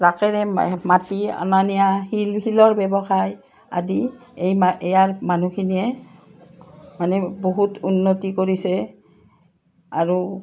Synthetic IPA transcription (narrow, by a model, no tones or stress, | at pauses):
ɹakɛɹɛmatia̰nanijahilhilɔɹbɛbɔxaj | a̰di | ejmaɛjaɹmanukʰiniɛ | manɛboɦutunːotikoɹisɛ | aɹu